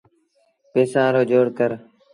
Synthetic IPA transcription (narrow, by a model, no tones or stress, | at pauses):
peːsãːɾoːd͡ʒoːɽkəɾ